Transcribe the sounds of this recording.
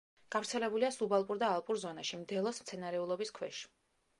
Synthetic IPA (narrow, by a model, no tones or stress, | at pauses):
ɡ̥avɾt̪sʰɛlɛbuliasubalˠpʼuɾd̪aːlˠpʼuɾzɔnaʃimd̪ɛlˠɔsmt̪sʰɛnaɾɛulˠɔbiskʰwɛʃi̥